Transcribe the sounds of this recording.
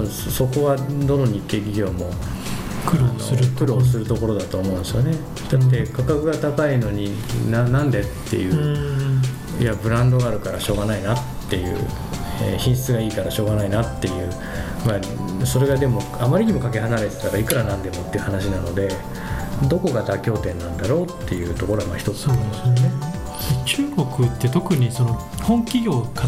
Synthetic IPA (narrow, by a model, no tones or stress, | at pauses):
õd̪soso̞ko̞βad̪o̞no̞ɲ̟ikːe̞ːɡʲiɡʲo̞ːmo̞ | kɯɾno̰k̪ɯ̟ɾo̞ːs̬ɨɾɯ̟t̪o̞ko̞ɾo̞d̪at̪oːmõ̞̟ːnd̪esɨjone̞ | d̪̥at̪ːe̞kakakɯ̟ɡat̪akaino̞ɲ̟i | nanːãnd̪e̞t̪ːe̞̰jɯ̟ | jabɯ̟ɾãnd̪o̞ɡaːɾɯ̟kaɾaɕo̞ːɡanainat̪ːe̞jɯ̟̰ː | ḛçĩɰ̃ɕi̥t͡sɨɡaiːkaɾaɕo̞ːɡanainat̪ːe̞jɯ̟ː | ma | so̞ɾe̞ɡad̪e̞mo̞ | amːaɾʲiɲ̟imokake̞ɦanaɾe̞t͡se̥t̪aɾaikɯ̟ɾanãnd̪e̞mo̞t̪ːeiɯ̟hanaɕinano̞d̪e̞ | d̪o̞ko̞ɡad̪akʲo̞ːt̪ẽ̞nːãnd̪aɾo̞ːt̪ːe̞jɯ̟ːt̪o̞ko̞ɾo̞amaːçi̥t̪o̞t͡sɨ̥sase | t͡ɕɨːɡo̞kɯ̟t̪ːe̞t̪o̞kɯ̟ɲ̟iso̞no | hõŋkʲiɡʲo̞ːka